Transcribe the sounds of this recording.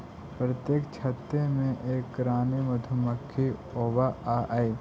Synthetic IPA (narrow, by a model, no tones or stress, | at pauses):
pɾət̪jeːkt͡ʃʰɐt̪ɾemẽʔeːkɾaːnemɐd̪ʱuməkʰːioːbaaʔai